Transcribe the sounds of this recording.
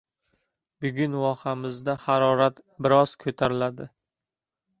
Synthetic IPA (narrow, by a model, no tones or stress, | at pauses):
bʊɡʲʊnwɒhamɪzd̪ahaɾɒɾat̪bɪɾɒz̥kʰot̪ʰaɾɪlad̪ɪ